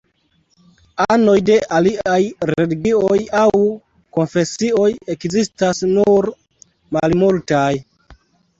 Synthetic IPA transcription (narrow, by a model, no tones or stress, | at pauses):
ano̞jde̞ʔaliajɾeliɡiojaw | ko̞nfe̞sio̞je̞kzistasnuɾ | malmultaj